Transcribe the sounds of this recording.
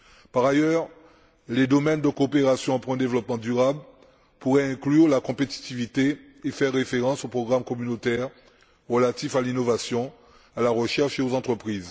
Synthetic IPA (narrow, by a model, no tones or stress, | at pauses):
paʁajœʁ | led̪ɔmɛnd̪əkoːpeʁasjɔ̃pʁɛ̃d̪evlɔpmɑ̃d̪yʁabl | puʁɛɛ̃klyʁlakɔ̃pet̪i̥t̪ivit̪e | efɛʁːefeʁɑ̃sopχɔɡʁamkɔmynot̪ɛʁ | ʁəlat̪ifalinovasjɔ̃ | alaʁəʃɛʁʃeozɑ̃t̪χəpχiːz